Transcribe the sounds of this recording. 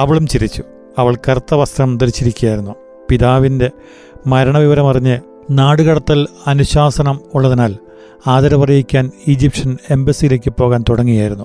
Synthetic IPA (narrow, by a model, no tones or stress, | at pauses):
ɐʋɐɭumt͡ɕiɾit͡ɕːu̥ | ɐʋɐɭkɐrt̪ːɐʋɐst̪rɐmt̪ɐɾit͡ɕːiɾikʲːujaːjɾunːu | piðaːʋinde̞ | mɐɾɐɳɐʋiʋɐɾɐmɐrɐɲːɨ | naːɽuɣɐɽɐt̪ːilɐnuɕaːsɐnɐmuɭːɐðinaːl | aːðɐɾɐpɐrijikʲːaːnid͡ʑipʂɐne̞mbɐsijile̞ːkʲːɨpo̞ːɣaːnt̪uɽɐŋːijaːjɾunːu